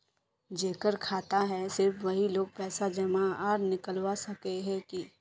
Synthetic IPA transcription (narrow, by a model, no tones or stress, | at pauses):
d͡ʒeːkəɾkʰaːt̪aɦɛsɪɾfʋɐɦiloːɡ̚pɛːsad͡ʒɐmaɔːɾnɪkəlwasɐkeɦɛ̃ki